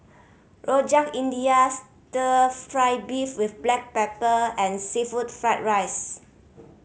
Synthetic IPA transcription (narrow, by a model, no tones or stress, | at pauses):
ɹod͡ʒãŋĩndias | tətɹajbifwifblɛk̚pɛpəɛ̃nsifutfɹaɪt̚ɹajs